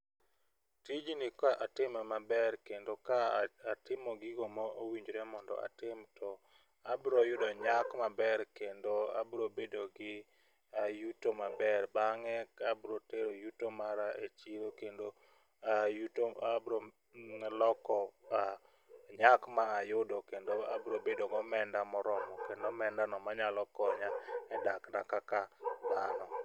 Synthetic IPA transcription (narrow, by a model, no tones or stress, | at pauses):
tid͡ʒnɪkaʔatɪmamabɛɾkendokaatɪmɔɡɪɡomɔowiɲd͡ʒɾɛmɔndɔ̰a̰tɪmtʰɔ | abɾojʊdɔɲakmabɛɾkendoa̰bɾobedoɡɪ | ajutomabɛrbaŋɛkabɾoteɾojutomaɾaet͡ʃiɾokendo | ajutoabɾɔ | lɔkɔa | ɲakmaːjʊdɔkendoabɾobedoɡɔmɛndamɔɾɔmɔkendomɛndanɔmaɲalɔkɔɲaɛdaknakakad̪anɔ